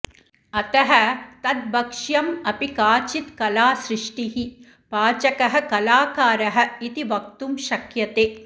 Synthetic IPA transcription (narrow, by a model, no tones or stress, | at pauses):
ɐt̪ɐɦɐ̆t̪ɐd̪̚bɐkʂjɐmɐpikaːt͡ʃit̪kɐlaːsɾɪʂʈiɦi | paːt͡ʃɐkɐɦɐ̆kɐlaːkaːɾɐɦɐ̆it̪iʋɐk̚t̪umʃɐkjɐt̪eː